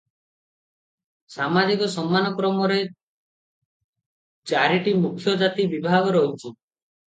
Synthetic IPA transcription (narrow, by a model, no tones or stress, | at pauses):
samad͡ʒikɔsɔmːanɔkɾɔmɔɾe | t͡ʃaɾiʈimukʰːjɔd͡ʒat̪ibibʱaɡɔɾɔɦut͡ʃʰi